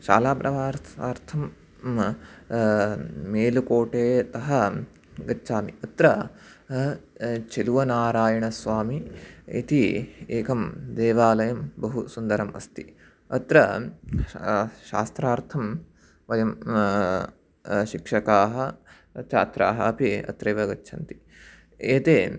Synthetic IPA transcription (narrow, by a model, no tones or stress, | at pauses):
ʃa̰ːlaːpɾʔɐʋaːɾt̪ʰaːɾt̪ʰɐm | meːlukoːʈeːɐt̪ɐɦɐ̆ | ɡɐtːt͡ʃaːmiɐt̪ɾɐ | t͡ʃeluʋɐnaːɾaːjɐɳɐsʋaːmiḭt̪ieːkɐmd̪eːʋaːlɐjɐmbɐɦusund̪ɐɾɐmɐ̰st̪i | ɐt̪ɾɐ | ʃa̰ːst̪ɾaːɾt̪ʰɐm | ʋɐjɐm | ʃikʂɐkaːɦɐ | t͡ʃʰaːt̪ɾa̰ːɦɐɐpiɐ̰t̪ɾɐjʋɐɡɐtːʃʰɐnt̪i̥ | eːt̪eː